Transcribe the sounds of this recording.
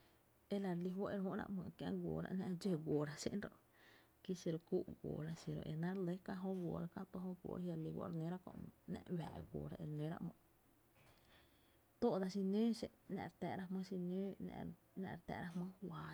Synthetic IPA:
e˦˧la˨ɾli˧˦wo˦ʔe˧ɾhõ˦ɾa̰˧ʔmə̃˧˨˧kjã̰˧ʔɡʷo˨ɾa̰˧ʔnã˧ʔd͡ʒe˦˨ɡʷo˨ɾa˧sḭ˦ʔnɾo˧ʔ | ki˦si˧ɾo˧ku˦ʔɡʷo̰˨ɾa˦si˨ɾo̰˨ʔe˨nã˦ɾle˦ka˦ʔɦo˦ɡʷoː˨ɾa˧˦kã˦t̪o˦ɦo˦ɡʷo̰ː˨ɾja˧ɾli˧wa̰˧˦ɾnẽ˦ɾa˦kõ̰˧˨ʔnã̰˧ʔwa̰˨ʔɡʷo̰˨ɾa˧ʔe˧ɾnẽ˨˦ɾa̰˦ʔmə̰̃˨ʔ | t̪o˦ʔd̪a˧si˧nẽː˦ʃe˧ʔnã̰˧˨ɾt̪ɛ˨ɾa˦hmə̃˦si˧nẽː˦n̰˧ | nã̰˧˨ɾt̪ɛ̰˧˨ɾa˦hmə̃˦hwa˨

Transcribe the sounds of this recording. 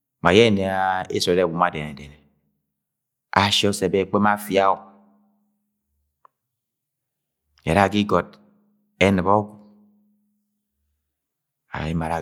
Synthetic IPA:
ma˨je˦˨ne˨a˨e˦so˨˦e˦˨wu˨ma˨de˨ne˨de˨ne˨ | a˨ʃɔ˦se˨be˦˨k͡pe˦ma˦˨fja˦o˨ | ḛ˨ɾa˦˨ki˦ɡɔ˨d̚ | e˦nɨ˨bɔ˦kʷu˨ | a̰˨ɾa̰˨i˦ma˨a˨

